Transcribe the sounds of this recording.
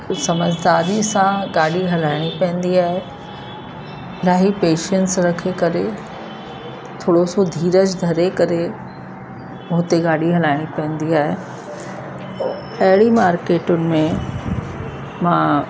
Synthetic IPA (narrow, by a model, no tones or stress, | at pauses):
sɐməd͡ʑʱd̪aːɾisãɡaːɽiɦɐlaːɪɽ̃ipɛ̃ɦə̃n̆d̪iaːɦe | laːɦipeːʃənsɾɐkʰekɐɾe | t̪ʰoːɽosod̪ʱiːɾəd͡ʑd̪ʱɐɾekɐɾe | ʊɦt̪eɡaːɽiɦɐlaːɪɽ̃ipɐ̃ɦə̃nd̪iaːɦe | ɐɦɪɽimaːɾkeːʈʊnɪ̆mẽ | mãː